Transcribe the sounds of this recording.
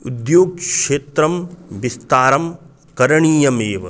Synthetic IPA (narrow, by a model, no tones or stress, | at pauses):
ud̪joːɡ̚ʃeːt̪ɾɐmʋist̪aːɾɐm | kɐɾɐɳiːjɐmeːʋɐ